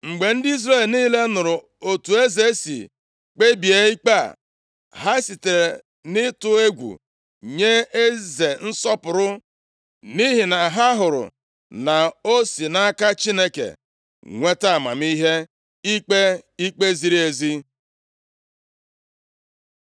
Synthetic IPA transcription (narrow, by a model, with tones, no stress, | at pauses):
ŋ͡m̩˨ɡ͡be˨n̩˦di˦zɾe˦˨lniː˦le˦nʊ˨ɾʊ˨ | o˨tu˨e˦ze˦sḭ˨ | k͡pe˦bi˨e˦i˦k͡pa˦˨ | ɦa˦si˨te˨ɾe˨ | nɪ˦tʊ˦e˦ɡʷṵ˨ | ɲe˦e˦ze˨n̩˦sɔ˦pʊ˨ɾʊ˦ | ni˦ɦi˨na˨ɦa˦ɦʊ˨ɾʊ̰˨ | na˨o˦si˨na˦a˦ka˦t͡ʃi˦ne˦kḛ˨ | ŋʷe˦ta˦a˨ma̰˨mi˦ɦe˦ | i˦k͡pe˦i˦k͡pe˦zi˦ɾi˦e˨zi˦